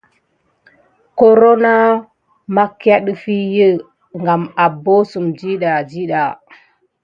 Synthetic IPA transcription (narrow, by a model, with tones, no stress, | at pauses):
ko˦ɾo˦na˦ | ma˦ka˦ɗə˦fi˦jə˦ | ŋɡa˨ma˨bo˦su˨md͡ʒi˦ɗa˨d͡ʒi˦ɗa˨